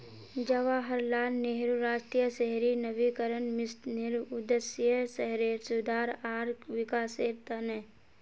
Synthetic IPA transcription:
d͡ʒəʋaɦəɾlaːlneɦɾuɾaːd͡ʒʈɾijəseɦɾinəʋikəɾənmɪstnɪɾʊd̪əsjəsəɦɾeːɾsʊd̪ʱaːɾaːɾʋɪkaːseːɾt̪ənɛ

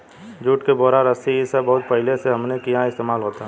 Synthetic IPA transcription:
d͡ʒuːʈkeboːɾaɾəsiisəbɐɦʊt̪̚pɐɦɪleseɦɐmnekijãɪst̪eːmaːlɦoːt̪aɦɛ

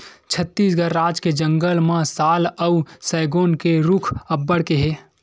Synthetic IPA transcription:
t͡ʃʰət̪ːiːsɡəɾːaːd͡ʒked͡ʒə̃ŋɡəlmãsaːləusɛːɡoːnkeɾukʰəbːəɽkeɦe

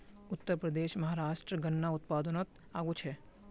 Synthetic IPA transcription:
ʊt̪ːəɾpɾəd̪eːʃmɐɦaːɾaːʃʈɾəɡɐnːaʊt̪̚paːd̪ənot̪ | aːɡut͡ʃʰe

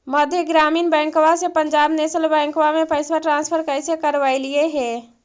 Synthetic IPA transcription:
məd̪ʱjeɡɾaːmiːnbɛ̃ŋkʋasepəɲd͡ʒaːbnesəlbɛ̃ŋkʋamepʰəɪsʋəɾʈɾãːnspʰəɾkəɪsekəɾʋaɪlijeɦeː

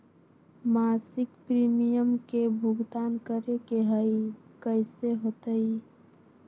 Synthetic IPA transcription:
maːsɪkpɾiːmijəmkebʱʊɡd̪aːnkəɾekeɦəikəɪseɦoːt̪əi

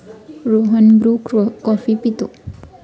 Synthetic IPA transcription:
ɾoɦənɡɾukkɔfipit̪o

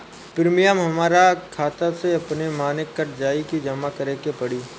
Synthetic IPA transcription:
pɪɾmijamɦɐmaːɾakʰaːt̪aseɐpnemaːnɪkːɐɾd͡ʒaːikid͡ʒɐmakɐɾeːkepɐɽiː

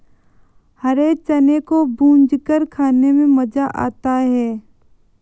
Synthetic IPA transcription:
hɐɾet͡ʃɐnekobũːɲd͡ʒkəɾkʰaːnemẽmɐd͡ʒaʔa̰ːt̪aɦɛː

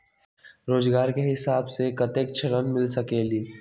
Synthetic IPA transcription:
ɾoːd͡ʒɡaːɾkeɦɪsaːbsekət̪eːk̚t͡ʃʰəɾənmɪlsəkeːliː

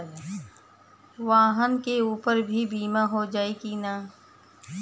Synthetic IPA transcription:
ʋaːɦənkeuːpəɾbʱibiːmaɦod͡ʒaːekina

